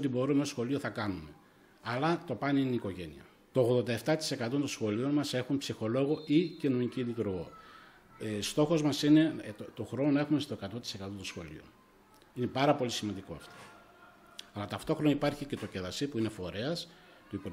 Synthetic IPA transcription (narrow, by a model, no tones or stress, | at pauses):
ot̪ibo̞ɾumesxo̞lio̞θɐkɐnume̞ | ɐlɐt̪o̞pɐniiniko̞ʝe̞nḭɐ̰ | t̪o̞ːɣðo̞nd̪ɐeft̪ɐt̪i̥se̞kɐt̪o̞t̪osxo̞lio̞nmɐse̞xunpsixo̞lo̞ɣo̞icinunicid̪it̪uɾoɣo̞̰ | st̪o̞xo̞zmɐsine̞t̪oxɾo̞nonɐe̞xume̞st̪o̞e̞kɐt̪o̞t̪i̥se̞kɐt̪ot̪osxo̞̰lḭo̰ | ine̞pɐɾɐpo̞lisimɐnd̪iko̞ɐft̪o̥ | ɐlɐt̪ɐft̪o̞xɾo̞nɐipɐɾçice̞t̪o̞ceðɐsipuine̞fo̞ɾe̞ɐs | t̪uipo